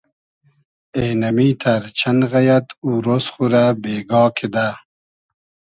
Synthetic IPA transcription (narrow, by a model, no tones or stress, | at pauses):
enɐmiːt̪ʰɐɾt͡ɕʰɐnɣɐjɐt̪uːɾosχuɾabeːɡɑːkʰed̪a